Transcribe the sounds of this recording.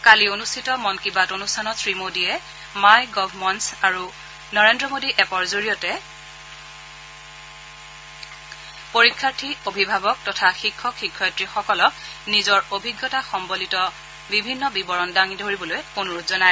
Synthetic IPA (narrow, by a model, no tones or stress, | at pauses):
kalionustʰitɔmɔnkibatonustʰanɔsɹimodiɛ | majɡɔbʱmɔntsaɹu | nɔɹendɹɔmodiʔɛpɔɹzoɹijɔtɛ | poɹikʰːaɹtʰiobʱibʱabɔk̚tɔtʰaxikʰːɔkxikʰːɔjtɹixɔkɔlɔk̚nizɔɹobʱiɡːɔtaxɔmbolitɔ | bibʱinːɔbibɔɹɔndaŋidʱoɹibɔlojonuɹutzɔnaj